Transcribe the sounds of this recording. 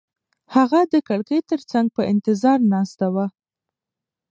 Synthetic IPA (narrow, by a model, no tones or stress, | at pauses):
haɣad̪əkaɽkəjt̪əɾt͡saŋɡ̚pəʔɪnt̪ɪzɑɾnɑst̪awa